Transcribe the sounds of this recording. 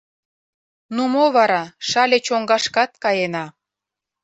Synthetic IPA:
numoβɑɾɑʃɑlʲet͡ɕoŋɡɑʃkɑt̪̚kɑjenɑ

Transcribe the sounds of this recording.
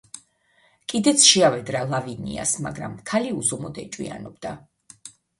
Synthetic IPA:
kʼid̪ɛt̪sʰʃɛavɛd̪ɾalˠavinḭa̰sma̰ɡɾa̰mkʰaliuzɔmɔd̪ɛ̰t͡ʃʼwḭa̰nɔb̚d̪̥a

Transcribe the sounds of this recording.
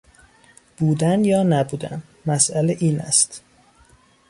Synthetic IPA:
b̥uːd̪ænjɒːnæbuːd̪æ̰n | mæsʔæleʔiːnæ̰st̪

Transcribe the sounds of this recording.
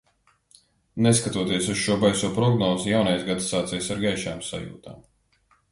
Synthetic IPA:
neskat̪uɔt̪iɛsusʃuɔbajsuɔpɾɔɡnɔːzujawnajsɡat̪sːaːt̪sɛjsaɾɡajʃaːmsa̰jṵːt̪a̰ːm

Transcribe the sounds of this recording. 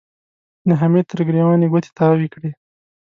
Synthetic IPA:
naɦamet̪əɾɡɾewaneɡot̪ʰe̥t̪ɑwikɽe

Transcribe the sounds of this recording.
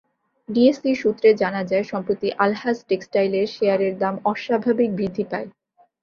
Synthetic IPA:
ɖiesiʃut̪ːɾed͡ʑanad͡ʑaeʃɔmpɾot̪iʔalhasʈeksʈajleɾʃeaɾeɾd̪amɔʃabʱabik̚bɾid̪ʱːipae

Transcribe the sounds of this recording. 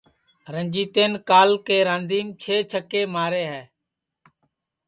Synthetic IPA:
ɾənd͡ʒiːt̪eːnkaːlkeːɾãːnd̪ʱiːmt͡ʃʰeːt͡ʃʰəkːeːmaːɾeːɦɛː

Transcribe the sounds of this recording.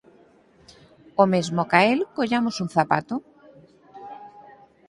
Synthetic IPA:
omezmokaelkoʎamosuŋ̟θapa̰t̪ʊ

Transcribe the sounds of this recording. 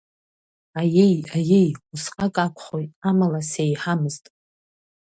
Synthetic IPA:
ajejajejusqʼakʼakʷʰχojtʼamalasejħamɨztʼ

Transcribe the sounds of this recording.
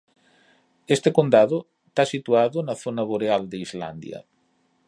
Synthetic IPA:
est̪ekond̪aðo | t̪asit̪uaðonɐθonaβoɾeald̪eizla̰nd̪jɐ̰

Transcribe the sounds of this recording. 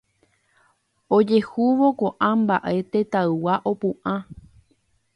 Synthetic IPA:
od͡ʒe̞huʋo̞koʔãmba̰ʔe̞t̪e̞t̪aɨwaʔo̞pũʔã

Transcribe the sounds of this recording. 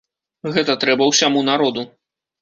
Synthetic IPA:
ɣɛt̪ɐt̪ɾɛbɐwsʲamun̪aɾɔd̪u

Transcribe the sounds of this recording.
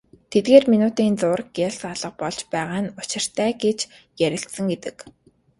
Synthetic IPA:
t̪ʰet̪̚ɡeːrminʊːt̪iːnt͡sʊːrkjæɮsaɮə̆q̚pɔɮ̥t͡ɕpæːʁaːnʊt͡ɕɪ̆r̥t̪ʰæːɡet͡ɕ | jæɾʲɪ̆ɬt̪sə̆ŋɡet̪ɘ̆k

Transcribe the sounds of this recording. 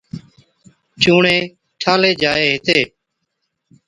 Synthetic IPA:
t͡ʃuːɳẽː | ʈʰaːleːd͡ʒaːeːɦɪt̪eː

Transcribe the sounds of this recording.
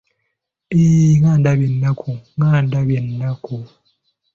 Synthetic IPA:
eŋaːndaβje̞nːakʰuŋaːndaβjenːaku

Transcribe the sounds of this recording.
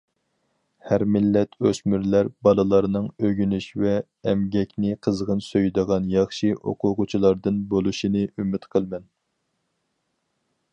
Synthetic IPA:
hæɾmɪlːɛt̪ʰøsmyɾlæɾbɑlˠɨlˠɑɾnɨŋøɡʲynyʃvɛː | mɡʲɛkʲnɪqʰəzʁənsøjd̪əʁɑnjɑχʃiʔo̰qʰʊʁʊt͡ʃʰilˠɑɾd̪ɨnbolˠuʃinɨʔymɪt̪qʰəlˠmɛn

